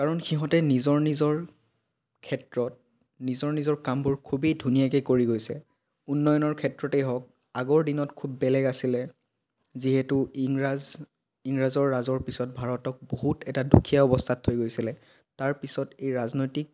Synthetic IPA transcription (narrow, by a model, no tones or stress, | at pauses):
kaɹɔnxiɦɔ̃tɛnizɔɹnizɔɹ | kʰɛtɹɔt̚ | nizɔɹnizɔɹkambuɹkʰubidʱunijakejkoɹiɡojsɛ | unːɔjɔnɔɹkʰɛtɹɔtɛjɦɔk̚ | aɡɔɹdinɔtkʰubːɛlɛɡasilɛ | ziɦɛtʊiŋɹaz | iŋɹazɔɹːazɔɹpisɔt̚bʱaɹɔtɔk̚boɦutɛtadukʰijaɔbɔstʰatʰːojɡojsilɛ | taɹpisɔtejɹaznojtik̚